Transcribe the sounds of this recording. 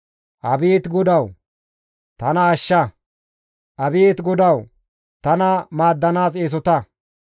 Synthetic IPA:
ʔɐbiːt̪ɡʊd̪ɐw | t̪ɐnɐːʃːɐ | ʔɐbijt̪ɡʊd̪ɐw | t̪ɐnɐmaːd̪ːɐnaːs̬eːs̬ɔt̪ɐ

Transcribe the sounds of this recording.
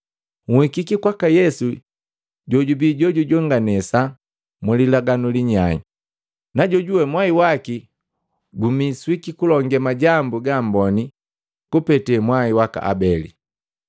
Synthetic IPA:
ŋ̩hikikikwakajɛsu | ɟɔɟubiɟɔɟuɟɔŋɡanɛsa | mulilaɡanuliɲaḭ | naɟɔɟuwɛmwaiwaki | ɡumiswikikulɔŋɡɛmaɟambuɡambɔni | kupɛtɛmwaiwaka̰ʔa̰bɛlḭ

